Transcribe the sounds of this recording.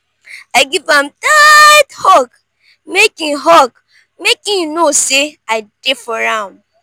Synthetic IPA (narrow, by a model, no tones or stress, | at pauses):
aɪɡivãmtathɔk | mekɪ̃ŋɦɔk | mekɪ̃ŋnoseaɪdefɔɾãm